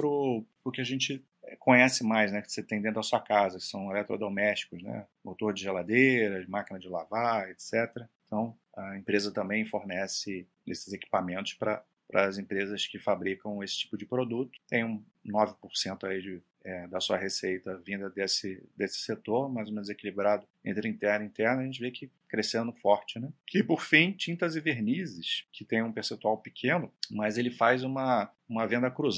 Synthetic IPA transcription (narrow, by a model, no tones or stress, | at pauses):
pɾʊpʊɾkɪɐʒẽt͡ʃɪ | ɛkõɲɛsɪmajznɛko̥set̪ẽj̃d̪ẽt̪ɾʊd̪ɐsuɐkazɐkɪ̥sɐ̃w̃elɛt̪ɾo̰d̪omɛʃt͡ʃi̥kʊznɛ̰ | mot̪oɾd͡ʒɪʒelad̪eɾɐd͡ʒɪmakinɐd͡ʒɪlavaet̪sɛt̪eɾɐ | t̪ʰɐ̃w̃ | ɐẽmpɾezɐt̪ɐ̃mbẽj̃foɾnɛsɪ | esɪzeki̥pamẽnt̪ʊ̥ʃpɾɐ | pɾɐ̰zẽpɾezɐskɪfabɾikɐ̃w̃esɪ̥t͡ʃi̥pʊd͡ʒɪpɾod̪ut̪ʊ̥t̪ẽj̃ũ | nɔvɪpʊɾsẽnt̪ʊaid͡ʒɪ | ɛd̪ɐsuɐɦesejt̪ɐvĩnd̪ɐd̪esɪd̪esɪ̥set̪oɾmajzõmẽzekilibɾad̪ʊḛ̃nt̪ɾɪɐĩt̪ɛɾnĩt̪ɛɾnɐʒẽnt͡ʃɪvekɪ | kɾesẽnd̪ʊfɔɾt͡ʃɪnɛkɪpoɾfĩt͡ʃĩnt̪ɐzɪveɾnizɪskʰɪt̪ẽj̃ũpeɾsẽnt̪uawpɪkʰẽnʊmɐzelɪfajzũmɐ | ũmɐvẽnd̪ɐkɾuz